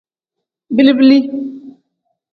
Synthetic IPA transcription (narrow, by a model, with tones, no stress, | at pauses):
bi˦li˦bi˦li˦